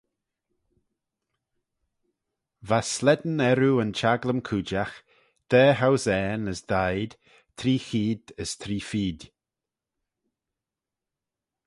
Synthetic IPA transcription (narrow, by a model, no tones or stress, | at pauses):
vaslɛd̪n̩ɛɾuənt͡ʃaɡləmkʰuːd͡ʒax | d̪̥ɛːɦawzɛːnəsd̪̥ajd̪̥ | t̪ʰɾiːxiːd̪əst̪ʰɾiːfiːd